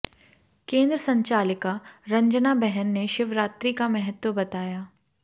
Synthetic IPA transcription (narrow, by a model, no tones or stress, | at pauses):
kẽːnd̪ɾəsɐ̃ɲt͡ʃaːlɪkaɾɐ̃ɲd͡ʒnabɛɦɛnːeʃɪʋɾaːt̪ɾikamɛɦət̪wəbɐt̪aːjaː